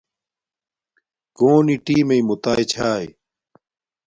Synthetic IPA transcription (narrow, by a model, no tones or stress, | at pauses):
koːniʈiːmeimut̪aːjt͡ɕʰaːj